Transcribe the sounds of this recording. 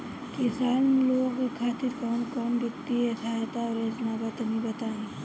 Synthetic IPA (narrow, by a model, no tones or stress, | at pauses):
kɪsaːnloːɡekʰaːt̪ɪɾkɔːnkɔːnbɪkt̪iesʰat̪aɔɾeːsnabat̪nĩbɐt̪aːẽː